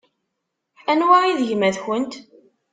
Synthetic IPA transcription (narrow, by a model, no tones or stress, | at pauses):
ænwæiðʝmæðçənt̪